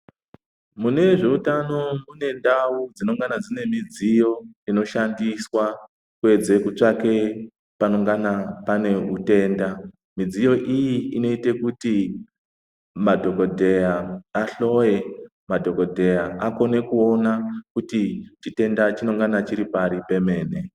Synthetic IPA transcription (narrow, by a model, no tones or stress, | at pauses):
mune̞ʐe̞utano̞mune̞ndaud͡zino̞ŋɡanad͡zine̞mid͡zijo̞ino̞ʃandiswa | kue̞d͡ze̞kut͡ʂake̞ | pano̞ŋɡanapane̞ute̞ːnda | mid͡zijo̞ʔijiino̞ite̞kuti | madʱo̞ko̞dʱe̞jaːɬo̞je̞ | madʱo̞ko̞dʱe̞jaako̞ne̞kuo̞nakutit͡ʃite̞ndat͡ʃino̞ŋɡanat͡ʃiɾipaɾipe̞me̞ːne̞